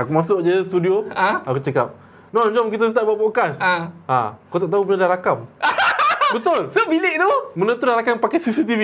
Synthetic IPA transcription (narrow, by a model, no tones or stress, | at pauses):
akumasʊʔ̚d͡ʒəst̪udioakut͡ʃəkap̚ | nod͡ʒɔmk̬it̪ast̪aʔbaʔbokasa̰kat̪oʔt̪aubənadaɾakam | bət̪ʊlsobilɪʔt̪umənət̪udaɾakampakasisit̪̬ivi